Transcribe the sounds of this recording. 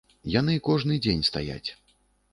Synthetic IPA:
jan̪ɨkɔʐnɨd͡zʲenʲst̪a̰ja̰t͡sʲ

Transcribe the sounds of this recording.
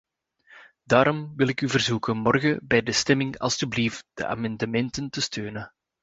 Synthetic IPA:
daːɾɔmʋɪlɪkyvərzukənmɔrɣəbɛjdəstɛmɪŋɑ̰lˠstyblift̚d̥ə̰ʔa̰ːmɑndəmɛntəntəstøːnə

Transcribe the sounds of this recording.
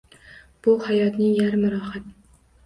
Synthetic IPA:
b̥ʊhajɒt̪nɪjaɾmʊɾɒːhat̪

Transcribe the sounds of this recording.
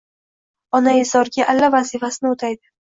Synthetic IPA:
ɒnaɪzɒɾɡʲaʔalːavazifasɪnɪot̪ʰajd̪ɪ

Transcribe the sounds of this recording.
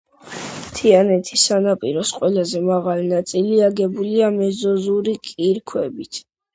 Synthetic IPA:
t̪ʰianɛt̪ʰisanapʼiɾɔsqʼwɛlazɛmaʁalinat̪sʼiliaɡɛbuliamɛzɔzuɾikʼiɾkʰwɛbit̪ʰ

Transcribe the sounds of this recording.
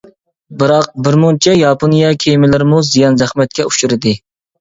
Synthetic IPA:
bɨɾɑq̚bɪɾmont͡ʃʰɛjɑpʰonijɛkʲʰejmɪlɪɾmuzijɑnzæχmɛt̪̚kʲɛuʃuɾɪd̪ɪ

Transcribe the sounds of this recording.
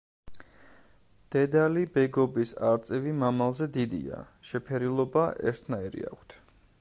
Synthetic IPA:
d̪̥ɛd̪alibɛɡɔbisaɾt̪sʼɛvimamalˠzɛd̪id̪ḭa̰ | ʃɛpʰɛɾilˠɔbaʔɛ̰ɾt̪ʰnaiɾḭa̰kʷʰt̪ʰ

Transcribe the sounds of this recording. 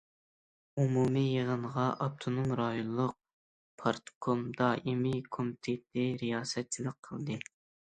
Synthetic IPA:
umumɨjəʁənʁɑʔɑp̚t̪ʰonomɾɑjonˠlˠʊq̚ | pʰɑɾt̪kʰomd̪ɑʔimɪkʰomɪt̪ʰed̪ɪɾijɑːsɛt̪̚t͡ʃʰilˠək̚qʰːəlˠd̪ɨ

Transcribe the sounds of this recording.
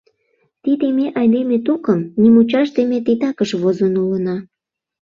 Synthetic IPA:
t̪id̪emeʔɑjlemet̪ukəmnimut͡ɕɑʃd̪emet̪it̪ɑkəʃβozonulənɑ

